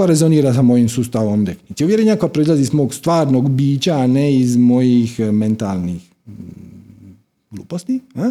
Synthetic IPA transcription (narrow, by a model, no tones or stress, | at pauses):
ɾezoniɾasamo̞jimsuːst̪aʋomd̪eknit̪siuʋjeɾenakoapɾoizlˠazizmo̞ːɡst̪ʋaːɾnoɡbiːt͡ɕaːneizmo̞jixme̞nt̪a̰ːlnix | ɡ̥lˠuːpost̪ia